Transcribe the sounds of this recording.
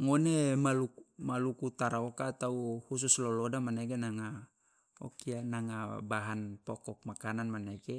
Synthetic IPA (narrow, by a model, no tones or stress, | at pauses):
ŋonemalumalukut̪aɾaokat̪awhus̬uslolodamaneɡenaŋa | o̰kianaŋabaɦanpokok̚makananmaneɡe